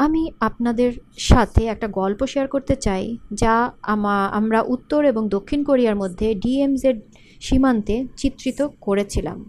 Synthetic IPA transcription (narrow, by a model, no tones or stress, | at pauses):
amiapnad̪eɾʃat̪ʰeɛk̚ʈaɡɔlpoʃiaɾkoɾt̪et͡ɕajd͡ʑamaa̰mɾaʔut̪ːoɾeboŋd̪okʰːinkoɾiaɾmod̪ʱːeɖiemseɾ | ʃimant̪et͡ɕit̪ːɾit̪okoɾet͡ɕʰila̰m